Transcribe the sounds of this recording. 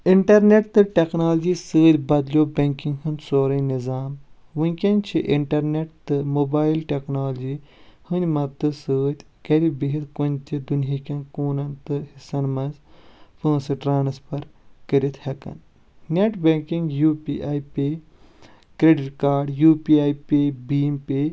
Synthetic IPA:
iɳʈɐɾneʈt̪ɨʈeknaːld͡ʒiːsɨːt̪ʲbɐd̪lʲjoːbɐŋkĩŋɡɦɨnd̪ʲsoːɾɐnizaːm | ʋɨnʲkʲɐnt͡ʃʰiʔiɳʈɐɾneʈ̚t̪ɨmoːbaːilʈeknaːld͡ʒihɨnʲmɐt̪ɨsɨːt̪ʲ | kɐɾibiɦit̪kunʲt̪ʲid̪unjikʲɐ̃nkoːnɐnt̪ɨhisɐnmɐnzpɨ̃ːnsɨʈɾaːnspɐɾkəɾit̪ʰhɐkɐ̰n | nʲeʈbeŋkiŋɡjuːpḭʔaːjpe | kɾeɖiʈkaːɾɖjuːpiaːjpebiːmpe

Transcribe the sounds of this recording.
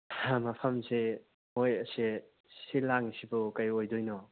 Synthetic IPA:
hamɐpʰɐmse | mojɐsi | silaŋisibukajojdɔjnɔ

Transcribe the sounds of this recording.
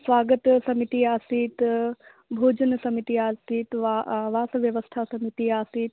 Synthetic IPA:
sʋaːɡət̪sɐmit̪iaːsiːt̪ | bʱoːd͡ʒənsɐmit̪iaːsiːt̪ʋaʋaːsɐʋjɐʋəst̪ʰasɐmit̪iaːsiːt̪

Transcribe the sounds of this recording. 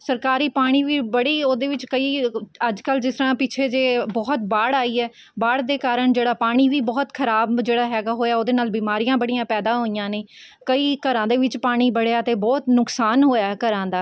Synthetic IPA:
səɾkaːɾiːpaːɽ̃iːʋiːbəɽiːoːd̪eːʋɪt͡ʃkəiːəd͡ʒkəld͡ʒɪsɾãːpɪt͡ʃʰeːd͡ʒeːbɔːt̪baːɽaːiːɛː | baːɽd̪eːkaːɾəɳd͡ʒeːɽaːpaːɽ̃iːʋiːbɔːt̪kʰəɾaːbd͡ʒeːɽaːɦɛːɡaːɦoːjaːoːd̪eːnaːlbiːmaːɾijãːbəɽijãːpɛːd̪aːɦoːijãːnẽː | kəiːkəɾãːd̪eːʋɪt͡ʃpaːɽ̃iːbəɽejaːt̪eːbɔːt̪nʊksaːnɦoːjaːkəɾãːd̪aː

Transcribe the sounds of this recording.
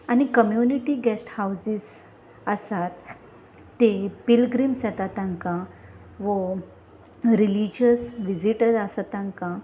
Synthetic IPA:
añikəmjuniʈiɡɛsʈhawsis | əsat̪ː | epilɡɾimsɛt̪at̪ãŋkã | ʋo | ɾilid͡ʑəsʋid͡ʑiʈəɾasat̪ãŋkã

